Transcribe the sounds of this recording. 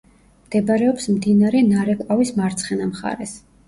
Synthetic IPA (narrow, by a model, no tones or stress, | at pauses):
md̪̥ɛbaɾɛɔpsmd̪inaɾɛnaɾɛkʼwavismaɾt̪sʰχɛnamχa̰ɾɛs